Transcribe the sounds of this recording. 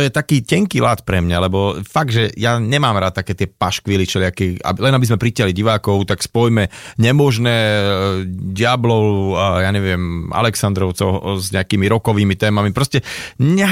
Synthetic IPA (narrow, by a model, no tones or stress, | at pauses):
ɔjɛt̪akiːcɛŋkiːlat̪pɾɛmɲalɛbɔfaɡ̚d̪ʒɛjaɲɛmaːmɾat̪̚t̪ːakɛːt̪ɪɛpaʃkʋilit͡ʃɛlɪakia̰lɛnabizmɛpɾicaɦliɟiʋaːkɔʊt̪akspɔjmɛɲɛmɔʒnɛː | ɟɪablɔʊjaːɲɛʋɪɛma̰lɛksand̪ɾɔʊt͡sɔɔzɲɛakiːmiɾɔkɔʋiːmit̪ɛːmamipɾɔscɛɲɛ